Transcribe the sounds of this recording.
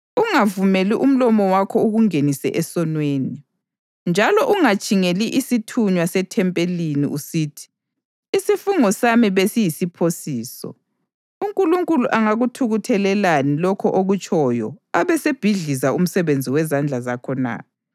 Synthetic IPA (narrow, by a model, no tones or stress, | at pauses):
uŋavumeliʔum̩lɔmɔwakʰɔuɣuŋenisɛ̰ʔɛsɔnweːni | nd͡ʒʱalɔʔuŋat͡ʃʼiŋeliʔisitʰuɲwasɛtʰɛmpʼelinḭʔusiːtʰi̥ː | sifuŋɔsamiβesijisipʰosiːsɔ̰ | uŋkʼuluŋkʼuluʔaŋaɣutʰuɣutʰɛlɛlanilɔkʰɔʔoɣut͡ʃʼʰɔjɔ̰aβɛseb̥ʱiɮizaum̩sɛβend͡zʱiwɛzand͡ɮʱazakʰɔna̰ː